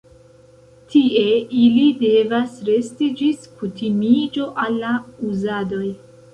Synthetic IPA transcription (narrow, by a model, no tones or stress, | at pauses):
tʰie̞ilide̞vasɾe̞stid͡ʒiskutʰimid͡ʒo̞ʔalːauzado̞j